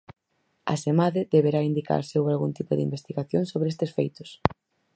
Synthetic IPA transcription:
a̰semaðɪðeβeɾaind̪ika̰ɾsewalɣunt̪ipʊðɪḭmbest̪iɣaθjoŋsoβɾeest̪esfejt̪ʊ̥s

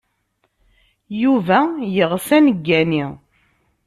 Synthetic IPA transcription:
juvæjəʁsænəɡːæni

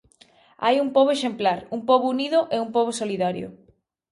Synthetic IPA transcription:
a̰jumpoβoeʃemplaɾumpoβouniðʊʔeumpoβosoliðaɾjo̰

